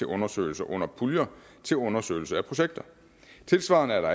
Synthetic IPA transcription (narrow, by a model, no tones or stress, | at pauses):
e̝ʔɔ̽nɐsø̰ːɪl̩sɐʔɔ̽n̰ɐpʰuljɐ | t͡sʰe̝lɔ̽nɐsø̰ɪl̩səæpʰʁo̝ɕeɡ̥̚d̥ɐ | t͡sʰe̝lsʋɑ̈ːnəæɐɾɑ̈